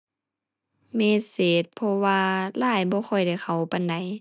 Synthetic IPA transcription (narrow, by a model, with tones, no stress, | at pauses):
meː˧˥˨seː˨˦t̪̚pʰɔ˧waː˧laː˧˥˩jbɔː˧˦xɔ˧˩jda˧˩jxʰa˨˩wpa˧˨nda˨˦j